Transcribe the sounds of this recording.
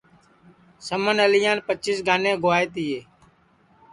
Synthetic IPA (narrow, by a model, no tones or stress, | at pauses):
səmənəlɪjãːnpət͡ʃːiːsɡʱaːnẽːɡʊʋaːeːt̪ɪjeː